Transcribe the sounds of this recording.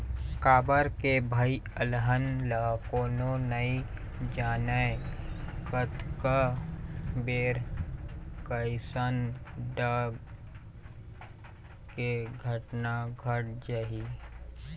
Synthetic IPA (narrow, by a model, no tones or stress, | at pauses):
kaːbəɾkebʱəi | əlɦənlakoːnonəi | d͡ʒaːnə | kət̪kə | beːɾ | kəɪsənɖəb | keɡʱəʈnaɡʱəʈ̚d͡ʒai